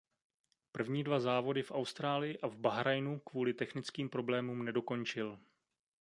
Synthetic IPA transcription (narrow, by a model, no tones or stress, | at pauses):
pr̩vɲiːdvazaːvo̞dɪfʔawst̪ɾaːlɪjɪʔavbaɦɾajnukvuːlɪt̪ɛxnɪt͡skiːmpɾo̞blɛːmuːmnɛdo̞ko̞ɲt͡ʃɪl